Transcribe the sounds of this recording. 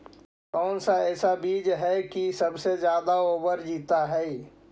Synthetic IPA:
kɔːnsaɛːsabiːd͡ʒɦɛkisɐbsed͡ʒjaːd̪aoːbəɾd͡ʒiːt̪aɦɛ

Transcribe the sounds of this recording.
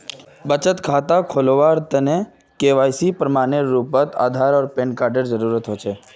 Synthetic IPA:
bət͡ʃət̪kʰaːt̪akʰoːloʋaːɾt̪ənẽ | keːʋaːjsipɾəmaːneɾuːpət̪a̰ːd̪ʱaːɾɔːɾpẽːnkaːɾɖəɾzəɾuːɾət̪ɦoːt͡ʃʰeː

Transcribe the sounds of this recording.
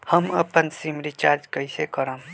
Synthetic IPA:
həməpənsimɾit͡ʃaɾd͡ʒkəjsekəɾəm

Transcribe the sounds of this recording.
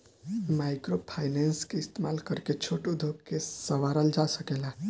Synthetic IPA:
majkɾopʰajnenskeist̪emalkəɾket͡ʃʰoʈod̪ʱoɡkesəʋaɾəld͡ʒasəkela

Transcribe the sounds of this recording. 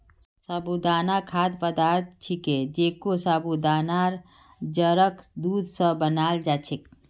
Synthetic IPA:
sabud̪aːnakʰaːd̪pəd̪aːɾt̪̚ʰt͡ʃʰiked͡ʒeːkosaːbud̪aːnaɾ | d͡ʒəɾəkd̪uːd̪səbənaːld͡ʒaːt͡ʃʰik

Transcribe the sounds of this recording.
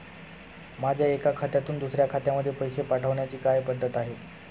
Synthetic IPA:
mad͡ʑʱjaekakʰat̪jat̪uːnd̪usɾjakʰat̪jaməd̪ʱːjepəjsepaʈʰəʋɳjat͡ɕiːkajpəd̪ːət̪aɦe

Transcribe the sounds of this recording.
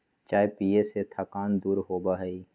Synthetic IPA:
t͡ʃaːɦepiːeset̪ʰaːkaːnd̪uːɾɦoːbaɦɛiː

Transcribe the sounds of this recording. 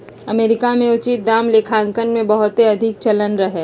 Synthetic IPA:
ɐmeːɾɪkamẽʊt͡ʃit̪̚d̪aːmlekʰãːŋkənmẽbɐɦʊt̪ɦeɐd̪ʱɪk̚t͡ʃɐlənɾɐɦeː

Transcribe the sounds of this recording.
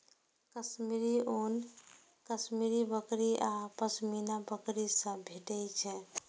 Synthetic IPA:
kəsmiɾion | kəsmiɾibəkɾiʔapəsminabəkɾisə̃bʱeʈɛjt͡ʃʰɛ̃

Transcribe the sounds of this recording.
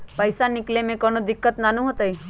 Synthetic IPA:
pəjsanɪklemẽkənod̪ɪkːət̪nanũɦot̪əj

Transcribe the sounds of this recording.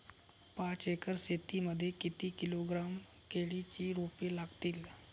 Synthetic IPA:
pãt͡sekəɾset̪iməd̪ʱːjekit̪iːkiloɡɾam | keɭit͡ɕiːɾupelaɡt̪iːl

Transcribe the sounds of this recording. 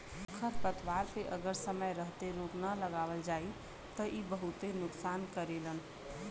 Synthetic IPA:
kʰəɾpət̪ʋaːɾpeʔəɡəɾsəməjɾəɦt̪eɾoːknaləɡaːʋəld͡ʒaːi | t̪əʔibəɦʊt̪enʊksaːnkəɾeːlən

